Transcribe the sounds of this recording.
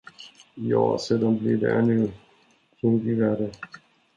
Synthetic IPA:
jɑ̰ːseːd̪anblid̪ɛ̰ʔɛnːʉ | k̪ʰɵŋt̪ɪvæːɖə

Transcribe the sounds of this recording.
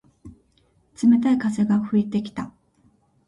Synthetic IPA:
t͡sɨme̞t̪aikaze̞ɡaɸɯ̟it̪e̞kʲi̥t̪a

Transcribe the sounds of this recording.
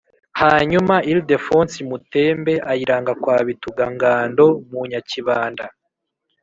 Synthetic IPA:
haːɲumailde̞foːnsimute̞ːmbe̞ʔajiɾaːŋɡakwaːβituɡaŋɡaːndo̞muɲaciβaːnda

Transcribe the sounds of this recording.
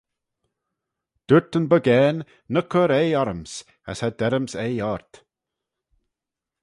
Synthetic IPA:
d̪̥ʉɹt̪ənbəɡɛːnː | əkʰəɾejaɾəms | a̰shad̪ɛɾəmsejaːɹt̪

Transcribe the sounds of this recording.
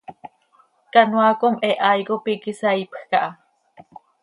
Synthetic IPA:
kanwakomɛʔajɣopikisaipxkaʔa

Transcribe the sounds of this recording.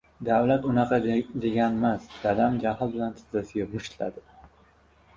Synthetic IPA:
d̪awlat̪ʊnɑqʰɑd̪e̞ɡʲanmasd̪̥ad̪amd͡ʒahɪlˠbɪlant̪ʰɪ̥zzasɪjʲapmʊʃt̪la̰d̪ɪ

